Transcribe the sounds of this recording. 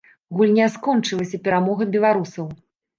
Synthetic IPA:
ɣulʲnʲaskɔnt͡ʂɨlˠɐsʲɐpʲɛɾamɔɣɐbʲɛlˠaɾusɐw

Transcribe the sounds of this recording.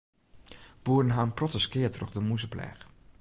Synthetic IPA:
b̥uːrənɦaːmprɔtəskɪːətrɔ̰χdəmuzəplɛ̰ːχ

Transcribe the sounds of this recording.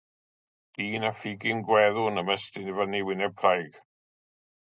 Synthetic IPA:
iːnafɪɡɪnɡwɛðʊnəməstɪnivəniwɪnɛb̚kʰrajɡ̥

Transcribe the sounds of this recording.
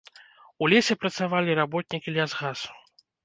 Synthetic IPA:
ulʲesʲɛpɾɐt̪savalʲiɾabɔt̪̚ʲnʲikʲilʲazɣasu̥

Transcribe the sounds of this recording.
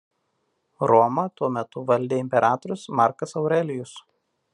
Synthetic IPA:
ɾɔmɐt̪uɔmʲɛt̪ʊʋɐlʲd̪ʲeːɪmʲpʲɛɾʔɑːt̪ɔɾʲʊsmɑˑɾkɐsɐʊɾʲɛlʲɪjʊs

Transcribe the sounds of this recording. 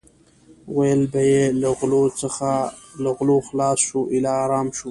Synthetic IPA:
wajəlbajelaɣlot͡səxa | laɣloxlɑːsʃuʔɪlɑːɾɑmʃu

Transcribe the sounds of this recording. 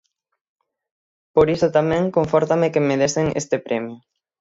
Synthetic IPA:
poɾisot̪amɛ̃ŋkoɱfɔɾt̪amekemeðeseŋḛst̪epɾɛmju

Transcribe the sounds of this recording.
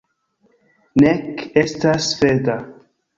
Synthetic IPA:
nekestasfeda

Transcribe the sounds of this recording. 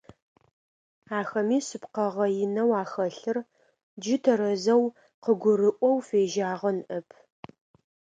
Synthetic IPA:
aːxɐmiːsɨpqɐʁɐjɪnɐwaːxɐɬɨr | d͡ʒɪtʰɐɾɐzɐw | qəɡʷʊrɨʔʷʼɔwfeːʒaːʁɐnʔɐpʰ

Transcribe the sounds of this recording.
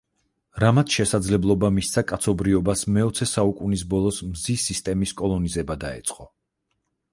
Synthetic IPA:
ɾamat̪ʰʃɛsad̪zlɛblˠɔbamist̪sʰakʼat̪sʰɔbɾiɔbasmɛɔt̪sʰɛsaukʼunis̬bɔlˠɔsmzisist̪ʼɛmiskʼɔlˠɔnizɛbad̪aɛ̰t̪sʼqʼɔ

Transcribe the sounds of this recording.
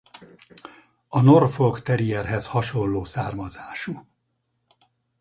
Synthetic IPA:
ɒno̞rfo̞lkt̪ɛɾijɛrɦɛshɒʃo̞nːoːsaːrmɒzaːʃu

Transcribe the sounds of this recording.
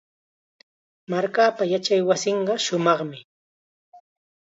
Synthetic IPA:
maɾkaːpajat͡ʃajwasɪɴɢɑʃʊmɑχmɪ

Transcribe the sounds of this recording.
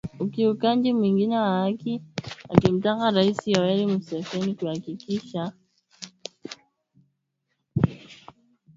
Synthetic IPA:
ukiukaɲd͡ʒimwiŋɡinɛwaakia̰kim̩takaɾaisijawɛlimusɛfɛnikuhakikiʃa

